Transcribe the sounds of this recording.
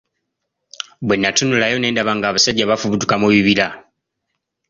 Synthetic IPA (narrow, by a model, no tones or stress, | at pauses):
bwe̞nːatunulajo̞ne̞ːndaβaŋɡaːβasaɟːaβafuβutukamuβiβila